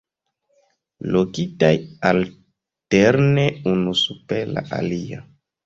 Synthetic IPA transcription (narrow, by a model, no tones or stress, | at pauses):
lokitajal | teɾneunusupela̰ʔalia